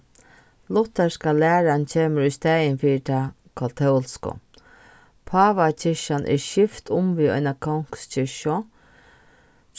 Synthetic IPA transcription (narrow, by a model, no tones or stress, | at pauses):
lʊt̪ːɛskalæːɾant͡ʃʰeːməɾʊst̪æːjɪnfiːɪt̪ʰa | kʰat̪ʰɛlskʊ̰ | pʰɑːʋat͡ɕʰɪʃanʔɛ̰ɾʃɪft̪ʰʊmʋiːɔ̰ɪnakʰɔwŋ̥kst͡ɕʰɪʃɔ